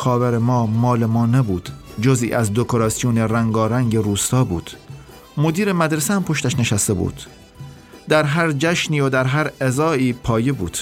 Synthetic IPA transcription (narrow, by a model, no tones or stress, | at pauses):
xɒːvæɾemɒːmɒːlemɒːnebuːd̪̥d͡ʒozḭːʔæzd̪okʰoɾɑːsijoneɾæŋɡɒːɾæŋɡeɾuːst̪ɒːbṵːd̪̥ | mod̪iːɾemæd̪ɾesæmpʰo̞ʃt̪æʃneʃæst̪e̞bṵːd̪̥ | d̪̥æɾɦæɾd͡ʒæʃniːod̪æɾɦæɾezɒːiːpʰɒːjebuːd̪̥